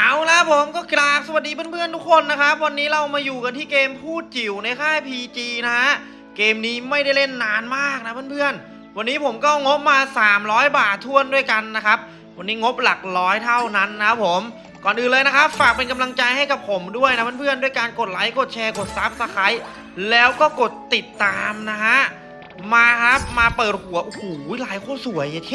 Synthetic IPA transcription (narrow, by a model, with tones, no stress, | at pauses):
ʔaː˨˧˩wla˦˥pʰo˨˦mkɔː˥˩klaː˨˩k̚sa˧wa˨˩t̪̚diː˧pɯ˥˩˨npʰɯ˥˩ənt̪u˦˥kʰːo˧nːa˦˥kʰɾa˦˥p̚wa˧nːiː˦˥ɾa˧wmaː˧juː˨˩ka˧nt̪ʰiː˥˩keː˧mpʰuː˥˩t̪̚t͡ɕi˨˩wna˧jkʰaː˥˩pʰiː˧t͡ɕiː˧na˦˥a˦˥ʔ | keː˧mniː˦˥ma˥˩jda˥˩jle˥˩nːaː˦˥nmaː˥˩k̚na˦˥pʰɯː˥˨npʰɯ˥˩ən | wa˧nːiː˦˥pʰo˩˦mkɔː˥˩ŋo˦˥p̚maː˧saː˩˦mɾɔː˦˥jbaː˨˩t̪ʰːu˥˩əndu˥˩əjka˧nː˦˥kʰa˦˥p̚ | wa˧nːiː˦˥ŋo˦˥p̚la˨˩k̚ɾɔː˦˥jt̪ʰa˥˩wna˦˥nːa˦˥kʰa˦˥pʰːo˩˦m | kɔː˨˩nʔɯː˨˩nlɤː˧jna˦˥kʰa˦˥p̚faː˨˩k̚pe˧nka˧mla˧ŋt͡ɕa˧jha˥˩jka˨˩pʰo˩˦mdu˥˩əjna˦˥pʰɯː˥˩pʰɯ˥˩əndu˥˩əjka˧nko˨˩t̪̚la˦˥jko˨˩t̪̚t͡ɕʰɛː˧ko˨˩t̪̚sa˦˥p̚sa˧kʰa˦˥j | lɛː˦˥wkɔː˥˩ko˨˩t̪ːi˨˩t̪ːaː˧mna˦˥ɦa˦˥ʔ | maː˧kʰa˦˥p̚maː˧pɤː˨˩t̪̚hu˨˩˦ɐʔo˧huː˨˩˥laː˨˩˦jkʰoː˥˩su˨˩˦əjʰ